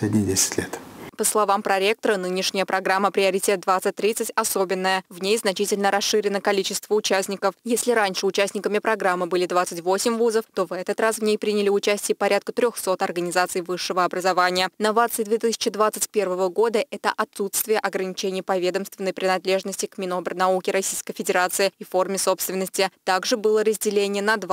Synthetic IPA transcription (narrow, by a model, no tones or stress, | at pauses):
sʲedʲnʲɪdʲesʲɪ̥tʲlʲet̪pəslˠɐvampɾɐɾʲe̞k̚t̪əɾənɨnʲɪʂnʲɪjəpɾɐɡɾamːəpɾʲɪɐɾʲɪtʲet̪̚d̪vat̪sɨt̚ʲt̪ːɾʲit̪sɨtʲɐso̞bʲɪnːəjəvnʲejznɐt͡ɕitʲɪlʲnəɾɐsʂɨɾʲɪnəkɐlʲit͡ɕɪst̪vəʊt͡ɕæsʲnʲɪkəfjesʲlʲɪɾanʲʂɨʊt͡ɕæsʲnʲɪkəmʲɪpɾɐɡɾamːɨbɨlʲɪd̪vat̪sətʲvo̞sʲɪmʲvuzəft̪o̞vɛt̪ət̪rasvnʲejpɾʲinʲɪlʲɪʊt͡ɕæsʲtʲɪjəpɐɾʲʔat̪̚kət̪ɾʲoxso̞t̪ɐrɡənʲɪzat̪sɨjvɨʂːɨvəɐbɾəzɐvanʲɪjənɐvat̪sɨjɪd̪vʲe̞t̪ɨsʲɪ̥t͡ɕɪd̪vat̪sɨtʲpʲe̞rvəvəɡo̞d̪əʔɛt̪əʔɐt̪sut̪st̪vʲɪjəʔɐɡɾənʲɪt͡ɕenʲɪjəpɐvʲe̞d̪əmst̪vʲɪnːəjpɾʲɪnɐd̪lʲe̞ʐnəsʲtʲɪkmʲɪno̞brnɐukʲɪɾɐsʲijskəjfʲɪdʲɪɾat̪sɨɪifo̞rmʲɪso̞pst̪vʲɪnːəsʲtʲɪt̪aɡʐɨbɨlˠəɾəzʲdʲɪlʲenʲɪjənɐd̪va